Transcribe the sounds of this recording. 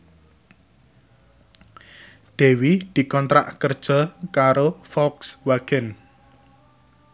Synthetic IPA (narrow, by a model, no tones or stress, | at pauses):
ɖ̪̥e̤wid̪̥i̤kɔnt̪ɾa̰ʔkərd̥ʒ̥ɔ̤kaɾofɔlkswaɡ̥ɛn